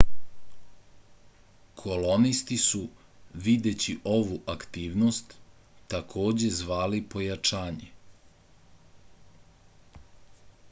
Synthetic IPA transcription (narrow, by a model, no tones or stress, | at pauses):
kʰo̞lonist̪isuʋid̪e̞t͡ɕiʔo̞ʋuʔakt̪iːʋnost̪ːakʰo̞ːd͡ʑe̞zʋaːlipo̞jat͡ʃaːɲe